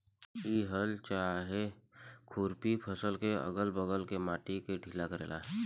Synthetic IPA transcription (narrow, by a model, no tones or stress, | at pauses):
iːɦəlt͡ʃaɦekʰuːɾpipʰəsəlkeə̰ɡəlbəɣəlkemaːʈikeɖʱilakəɾḛːla̰ːɦ